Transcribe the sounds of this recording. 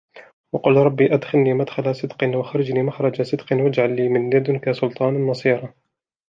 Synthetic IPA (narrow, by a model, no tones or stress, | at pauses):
wɑqʊlɾˤɑbːiːʔad̪xalniːmad̪xalasˤɨd̪qɨnwaxaɾˤɑd͡ʒniːmaxɾˤɑd͡ʒasˤɨd̪qɪnwad͡ʒʕalːiːmɪnjad̪nkasʊlt̪ˤɑːnnːɑsˤiːɾˤɑ